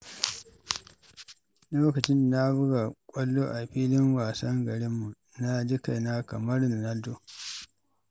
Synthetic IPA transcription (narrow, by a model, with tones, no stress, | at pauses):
loː˦kɐ˨t͡ʃɪ˦nːa˦bʊ˦ɡa˨kʷʼɐ˦lːoː˦ʔa˨ɸiː˦lɪ˦ŋwaː˨sɐ˦ŋɡɐ˨ɾɪ˦mːu˨ | na˦d͡ʒɪ˦ka˨na˦kɐ˨mɐ˦rna˨na˦ldo˦˨